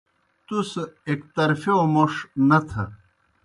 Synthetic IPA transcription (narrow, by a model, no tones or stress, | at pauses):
t̪usekt̪ɐɾfeomoʂnɐt̪ʰɐ̰